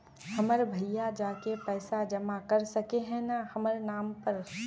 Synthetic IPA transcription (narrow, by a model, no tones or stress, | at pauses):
hɐməɾbʱɐjjːad͡ʒaːkepɛːsad͡ʒɐmakɐɾsɐkeɦɛ̃nahɐməɾnaːmpɐɾ